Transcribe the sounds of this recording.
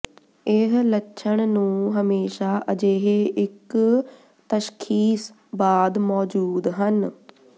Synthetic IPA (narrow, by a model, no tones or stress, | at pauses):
ɪɦlətːʃʰəɳnũːɦəmeːʃaːʔəd͡ʒeːɦeɪk | t̪əʃkʰiːs | baːd̪mɔːd͡ʒuːd̪ɦən